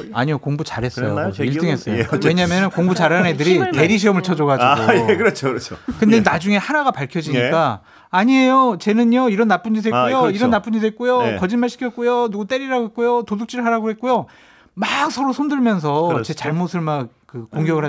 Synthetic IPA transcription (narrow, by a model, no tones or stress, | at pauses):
a̰ɲijokoŋbut͡ɕaɾɦe̞s͈ʌjo̰iɭt͈ɯŋɦe̞s͈ʌjoweɲamjʌnɯnkoŋbut͡ɕaɾane̞dɯɾite̞ɾiɕ̬ʰiʌmɯɭt͡ɕʰʌd͡ʑʌɡaiɡokɯɾʌt͡ɕʰokɾt͡ɕʰokɯndenad͡ʑuŋe̞hanaɡapaɭkʰjʌd͡ʑiɲikk͈aː | ɲiejot͡ɕe̞nɯɲʌiɾʌnːap͈uɲd͡ʑidʰekujoiɾʌnːap͈uɲd͡ʑidʰet̚k͈ujokʌd͡ʑinmaɭɕʰi̥kʰjʌt̚k͈ujonuɡut͈e̞ɾiɾaɡoɦek͈ujotoduk̚t͡ɕ͈iɾɯɭɦaɾaɡohe̞t̚k͈ujo | maksʰʌɾosʰʌmdɯɭmjʌnsʰʌt͡ɕe̞t͡ɕaɭmosʰɯɭmak̚kɯkoŋɡjʌɡɯɭɦa